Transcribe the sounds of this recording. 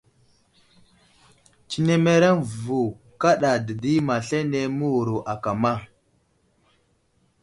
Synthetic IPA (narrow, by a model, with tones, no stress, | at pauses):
t͡ʃi˦ne˦me˦ɾe˦n˨vu˨ | ka˦ɗa˨də˨di˦ma˨ɬe˦ne˦mu˦wu˨ɾu˨ʔa˨ka˨ma˦˨